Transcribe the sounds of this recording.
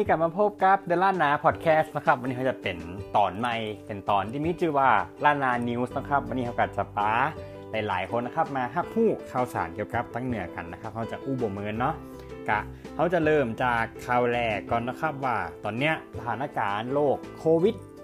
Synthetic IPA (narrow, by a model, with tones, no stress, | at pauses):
niː˧˩ka˨˩maː˧pʰo˦˥p̚ka˧˥p̚dɯ˧˨laː˧˥˩nnːaː˧˥pʰɔ˨˩t̪̚kʰɛː˦˥st̪̚na˦˥kʰa˦˥p̚a˧niː˧˨˧t͡ɕa˨˧˩pe˨˩nt̪ɔː˨˩nma˧˩jpe˨˩nt̪ɔː˨˩nt̪ʰiː˧˩miː˦˥t͡ɕʰɯː˧˩waː˧˩laː˧˥˩nːaː˧ni˧wsnɔ˦˥˩kʰa˦˥p̚wa˧nːiː˧ha˧˥wka˨˩t͡ɕa˧˩paː˧ | la˨˦jlaː˨˦jkʰo˧nːa˧˥˩kʰa˦˥˩p̚maː˧ɦa˧˩p̚ʰuː˥˩kʰa˧˩wsa̰ː˨˦nki˧˩əwka˧˦p̚t̪ʰaː˧˥ŋnɯ˨˩˦ɐka˨˩nːa˦˥kʰa˦˥p̚ha˧˥˩wt͡ɕa˨˩k̚ʔuː˧˥˩bo˨˩m˧ŋɤ˧nːɔ˦˥ʔ | ka˧˩ | ha˧˥˩wt͡ɕa˨˩lɤː˧˥˩mt͡ɕaː˨˩kʰːa˧˩wlɛː˧˩kɔː˨˩nːɔ˦˧˥kʰa˦˥p̚waː˧˩t̪ɔː˨˩nːi˦˥ɐʔsa˧t̪ʰaː˨˦nːaː˧˩kaː˨nloː˥˩kʰːoː˧wi˦˥t̪̚